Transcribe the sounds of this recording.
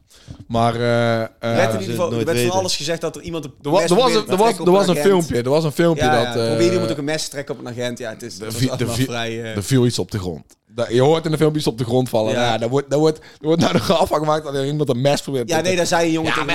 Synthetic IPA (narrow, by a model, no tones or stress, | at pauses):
maːrəəɛʋɛɑlˠəsxəzɛxtdɔtərimɑntdədəʋɑsdəʋɔsdəɹʋɑsənfɪlˠmpjədəɹʋɑsənfɪlˠmpjədɔtobɪimtokənmɛsə̥trɛkəɔpənaɣɛntjaətɪsdədəjdərvilˠitsɔb̚dəɣrɔ̰nt | djəɦoːrtɪndəfɪlˠpjitsɔp̚dəɣrɔntfɑlənmajadɔʋɔt̚dɔʋɔt | dəʋɔrtnawdoχɔfɑŋɣəmaːk̚tdɔtərimɑntənmɛsfərbɪːrtjnejdazɛjəjoŋəa̰